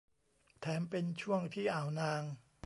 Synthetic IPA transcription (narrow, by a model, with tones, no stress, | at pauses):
t̪ʰɛː˩˦mpe˧nt͡ɕʰu˥˩əŋt̪ʰiː˥˩ʔaː˨˩wnaː˧ŋ